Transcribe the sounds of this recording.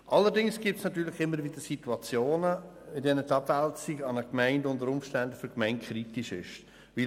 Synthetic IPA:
ʔɑlːəɾdɪŋsɡ̥iːp̚tsnɑtyːɾlɪχɪmːəɾvɪd̥əsituɑt͡sjoːnəɪdɛnətɑbælt͡siɡɑnəkmæɪndʊndəɾʊmfʃtændəfʏɾkmɛɪnt̚kʰχɾitiʃɪ̰ʃ | ʋi

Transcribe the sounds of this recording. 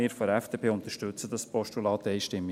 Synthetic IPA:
ɪːɾfɔɾɛfd̥eːpʰeːʊnt̪əɾʃtʉt͡səd̥ɑspɔʃtulɑːt̪eɪʃtɪmːi

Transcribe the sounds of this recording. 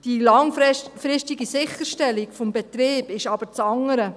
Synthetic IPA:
d̥ilɑŋfɾɪstiɡisɪχəɾʃtɛlikfɔmbɛt̪ɾeːb̥ɪʃɑb̥əɾt͡sɑŋːəɾə

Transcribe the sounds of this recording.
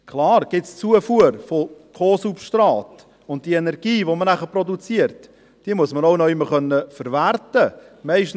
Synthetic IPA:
kʰlɑːɾɡ̥ɪtst͡suəfuəɾfokʰoːsupʃtɾɑːt | ʊnt̚d̥ienɛɾɡ̥iːʋomənæχəpɾɔdut͡siəɾt | d̥iəmuəsmənoʊnɔɪmːəɾχœnːəfəɾvæɾtə | mɛɪʃtn̩

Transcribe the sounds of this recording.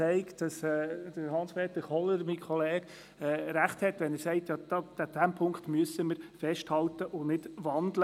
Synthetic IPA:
ɛɪkd̥ɑsɛːd̥əɾhɑnspeːt̪əɾχɔləɾmikʰɔleːɡ̥ | ɛːɾæχthɛtʋɛnəɾsɛɪtjɑd̥̪ɑ̥ad̪̥æmpʰʊŋkχt̪myəsəməɾfɛʃthɑlt̪əʔʊnɪd̥ʋɑnd̪lə

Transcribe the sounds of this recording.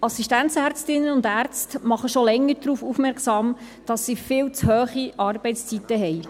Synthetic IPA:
ɑsiʃtænt͡sæɾt͡stɪnːənʊndæɾt͡stmɑχəʃolɛŋːəɾdɾuːfufmɛɾksɑːm | d̥ɑsːifɪːlt͡shœːχiʔɑːrbɛɪtst͡sit̪ːəɦɛɪj

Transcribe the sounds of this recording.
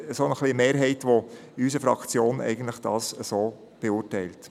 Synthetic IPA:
əsonəχlimeːɾɦɛɪtʋoys̬əfɾɑ̰kt͡sjoːnɛ̰ɪɡən̩t̪ləχd̥ɑːsəsoː | b̥euːrtɛɪlt

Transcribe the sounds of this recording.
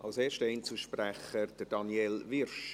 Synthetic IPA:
ʔɑlseːʃtəɛɪnt͡suʃpræχəd̥əɾd̥ɑnjɛlʋɪrʃ

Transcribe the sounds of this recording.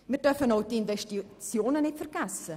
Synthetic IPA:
mirdœrfənɔwdiinvɛstit͡sjoːnənɛtfərɡasə

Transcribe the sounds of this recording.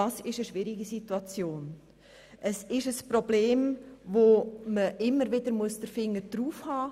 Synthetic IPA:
ɑsɪʃəʃʋɪɾiɡisituɑt͡sjoːn | ʔəsɪʃəspɾobleːmʋoməʔɪmːəɾʋɪdəɾmuəsd̥əɾfɪŋːəd̥ɾuːfhɑː

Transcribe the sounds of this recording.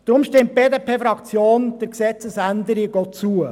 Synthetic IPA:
d̥ɾʊmʃtɪmt̚b̥eːd̪eːpʰeːfɾɑkt͡sjoːnd̥əɾksɛt͡səsænd̪əɾiɡ̥ɔːt͡suə

